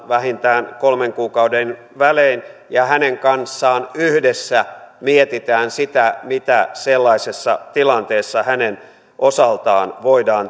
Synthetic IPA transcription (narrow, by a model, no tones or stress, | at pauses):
ʋæhint̪æːnkolmeŋkuːkɑuden | ʋæleːnjɑhæneŋkɑnsːɑːnyhdesːæmiet̪it̪æːnsit̪æmit̪æselːɑisesːɑ̰t̪ilɑnt̪eːsːɑhænen | ʔosɑlt̪ɑːnʋoidɑːn